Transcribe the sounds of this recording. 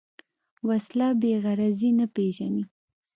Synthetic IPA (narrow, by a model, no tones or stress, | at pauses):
waslɑbeɣaɾazinapeʒani